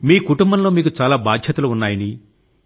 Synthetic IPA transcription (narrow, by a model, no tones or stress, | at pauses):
miːkuʈumbɐnlo̞ːmiːkut͡ʃaːlaːbaːd̪ʱjɐt̪uluunːaːjɐni